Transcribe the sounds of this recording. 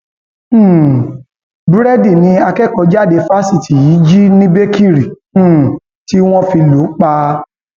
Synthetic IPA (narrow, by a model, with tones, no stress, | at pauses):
bu˦ɾɛ˦di˦˨nĩ˧˦a˧kɛ˦˨kɔ˧˦d͡ʒa˦˨de˧fa˦si˦˨ti˨ji˨˦d͡ʒi˦nĩ˦be˦ki˦˨ɾĩ˨˦˨ | ti˦w̃ɔ̃˦fi˧lo˨˦k͡pa˧